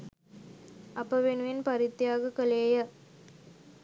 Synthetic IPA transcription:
ɐpːɐʋenɯɪnpɐɾɪt̪ːjaːɡɐkɐleːjɐ

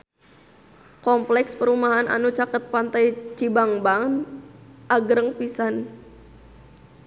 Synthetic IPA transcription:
kɔmplɛkspəɾumaɦana̰nut͡ʃakət̪̚pant̪ajt͡ʃibaŋbaŋ | ʔaɡɾəŋpisan

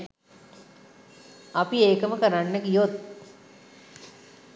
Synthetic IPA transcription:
apieːkəməkəɾanːəkijot̪̚

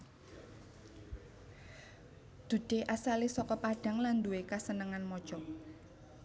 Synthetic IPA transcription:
d̪̥ud̥eʔasalisɔkɔpaɖ̥a̤ŋland̪uwekasənəŋanmɔd̥ʒ̥ɔ

